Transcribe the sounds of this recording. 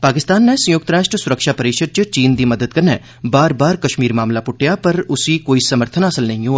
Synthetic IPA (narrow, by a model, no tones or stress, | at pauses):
paːkɪst̪aːnːɛsə̃jʊk̚t̪ɾaːʃʈɾəsʊɾəkʃaːpɐɾiːʃəd̪̚t͡ʃət͡ʃiːnd̪iːməd̪əd̪̚kɐɾnɛː | baːɾbaːɾkɐʃmiːɾmaːmlapʊʈʰːjapɐɾʊsiːkoːisɐməɾt̪ʰənəsəlnɐɦĩoː